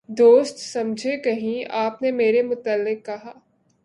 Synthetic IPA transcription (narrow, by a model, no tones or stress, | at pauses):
d̪oːst̪sɐ̃md͡ʒʱekɐɦĩaːpnemeːɾemʊt̪əlːɪkːɐɦaː